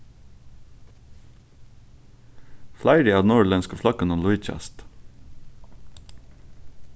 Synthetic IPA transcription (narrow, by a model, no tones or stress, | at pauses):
flæɪɖɪɑːd̪n̩uːɭɛnskəflɑkənɔnlʊɪt͡ʃɛ̰st̪